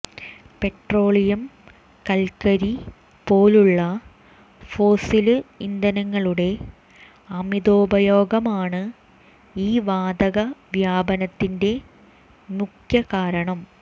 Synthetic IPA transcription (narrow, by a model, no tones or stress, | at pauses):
pe̞ʈro̞ːɭijɐm | kɐlkɐɾi | po̞ːluɭːɐ | fo̞ːsilɨind̪ɐnɐŋːɐɭuɽe̞ | ɐmid̪o̞ːbɐjo̞ːɡɐmaːɳɨ | iːʋaːd̪ɐɣɐʋjaːbɐnɐt̪ːinde̞ | mukjɐkaːɾɐɳɐm